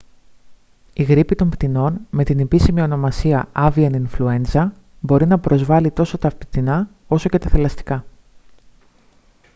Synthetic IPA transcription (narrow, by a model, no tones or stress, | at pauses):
iɣɾipit̪o̞mpt̪ino̞nme̞t̪ine̞pisimio̞no̞mɐsiɐɐviɐninflue̞nzɐ | bo̞ɾinɐpɾo̞zvɐlit̪o̞so̞t̪ɐːft̪i̥t̪inɐ | o̞so̞ce̞t̪ɐθelɐst̪i̥kɐ